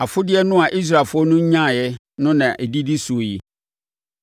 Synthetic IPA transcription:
a˨fʊ˦dɪ˦ɛ˦nʊ̃˦a˨ʔi˦s̬ɾaː˨fʊ˦ɔ˦nʊ̃˦ɲ̩˦ɲã˦˨jɛ˦ | nʊ̃˦nã˨ʔe˨di˦di˦su˨o˨ji˨

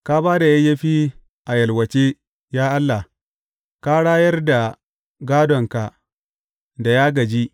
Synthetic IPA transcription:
ka˦baː˦da˨jɐ˦jɐ˦ɸiː˦ | ʔa˨jɐ˨lwɐ˨t͡ʃe˦ | jaː˦ʔa˦lːa˨ | ka˦ɽaː˦jɐ˦rda˨ | ɡaː˦dɔ˨ŋka˨ | da˨jaː˦ɡɐ˨d͡ʒi˦

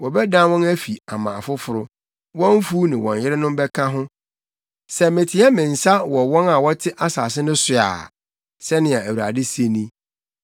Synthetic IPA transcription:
wɔ˨bɛ˦dã˦wɔ̃˦næ˦fi˨a˨mã̰˨fʊ˦fʊ˨ɾʊ˦ | wɔ̃˦m˦fu˦nɪ̃˨wɔ̰̃˨njɪ˦ɾɪ˦nʊ̃˦m˦bɛ˦kʰã˦ɦʊ̃˦ | sɛ˦mɪ̃˨tʰɪ˨˦ɛ˦mɪ̃˨n̩˨sa˦wɔ˨wɔ̃˦na˨wɔ˦tʰɪ˦ʔa˦sa˨s̬ɪ˦nʊ̃˦sʊ˨a̰ː˨ | sɛ˦nɪ̃˨a˨æ˨wu˨ɾa̰˨dɪ˦se˦nĩ˦

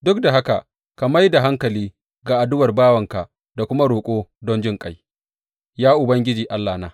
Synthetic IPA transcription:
dʊ˦k̚da˨ɦa˦ka̰˨ | ka˨ma˦jda˨ɦa˦ŋkɐ˨liː˦ | ɡaː˨ʔa˨dʊ˦wɐ˨rbaː˦wɐ˨ŋka˨ʔ | da˨kʷʊ˦ma˦ɽoː˨kʷʼoː˦dɔ˦nd͡ʒɪ˦ŋkʼa˨j | jaː˦ʔʊ˨bɐ˦ŋɡʲɪ˦d͡ʒiː˨ʔa˦lːaː˨naː˦

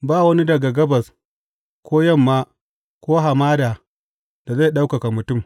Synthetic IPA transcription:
baː˦˨wɐ˦ni˦dɐ˨ɡa˨ɡɐ˦bɐ˨s | kʷoː˦jɐ˦˨mːaː˦ | kʷoː˦ɦa˨maː˦daː˨ | d̥a˨za˦˨ɗa˦wka˨ka˨mʊ˨tʊ˦˨m

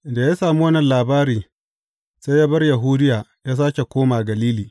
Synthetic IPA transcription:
nda˨jaː˦saː˨mu˦wɐ˦nːɐ˨nlaː˨baː˦ɾiː˨ | sa˦jjaː˦bɐ˦rja˨ɦuː˦dɪ˦jaː˨jaː˦s̬aː˦kʲe˨kʷoː˦maː˨ɡɐ˨liː˦liː˨

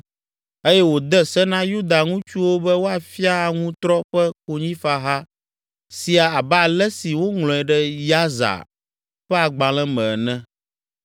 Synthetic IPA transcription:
e˦jɛ˦wo˨d̪ɛ˦sɛ˦nã˦ju˦d̪a˨ŋũ˦t͡ʃu˦wo˦bɛ˦wo˦a˨fi˦a˦a˨ŋũ˦t̪ɾɔ˦ɸɛ˦ko˦ɲĩ˦fa˦ɦa˦ | si˨a˨a˨ba˨lɛ˦si˨wo˦ŋlɔ̃˨ɛ˨ɖɛ˦ja˦za̰˨ | ɸɛ˦a˨ɡ͡bã˨l̃ɛ̃˦mɛ̃˨nɛ̃˦

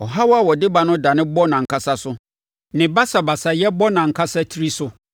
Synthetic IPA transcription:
ɔ˨ɦa˦wa˦wɔ˨dɪ˦ba˦nʊ̃˦da˨nɪ̃˦bɔ˦nã˨ŋ̩˨kʰa˦sa˦sʊ˦ | nɪ̃˨ba˦sa˨ba˨sa˨jɛ˦bɔ˦nã˨ŋ̩˨kʰa˦sa˦tʰi˦ɾi˦sʊ˦

